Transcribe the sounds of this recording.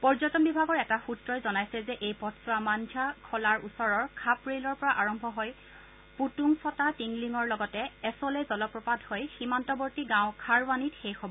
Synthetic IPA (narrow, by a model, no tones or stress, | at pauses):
pɔɹzɔtɔmbibʱaɡɔɹɛtaxutɹɔjzɔnajsɛzɛʔejpɔtsamandʱakʰɔlaɹusɔɹɔɹkʰapɹelɔɹpɔɹaʔaɹɔmbʱɔɦoj | putuŋsɔtatiŋliŋɔɹlɔɡɔtɛɛsɔlɛzɔlɔpɹɔpadhojximantɔbɔɹtiɡãʊ̃kʰaɹwanitxejxɔbɔ